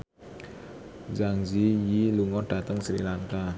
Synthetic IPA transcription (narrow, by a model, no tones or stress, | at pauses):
d͡ʒaŋd͡ʒijiluŋɔɖ̥a̤t̪əŋsɾḭlaŋka